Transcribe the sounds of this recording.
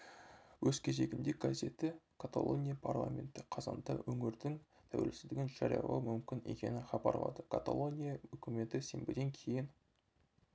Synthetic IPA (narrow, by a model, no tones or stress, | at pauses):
wɵzkʲʰe̞ze̞ɡʲɪmd̪ek̚ɡaze̞t̪ɪkʰat̪a̰lˠo̞nʲijapʰarlˠa̰mʲe̞̰nt̪ɪqʰɑzɑnt̪ə̰wɵŋɪɾd̪ɪŋt̪ʰæwe̞̰lsɪzd̪ɪɡʲɪnʒ̥ɑɾijɑ̰lˠɑ̰wmʏmkʲɪne̞kʲe̞̰nɪχɑbɑɾlˠɑ̰d̪əkʰat̪alˠo̞nʲijaɵkʲɪme̞t̪ɪse̞mbɪd̪e̞ŋkʲʰe̞jɪn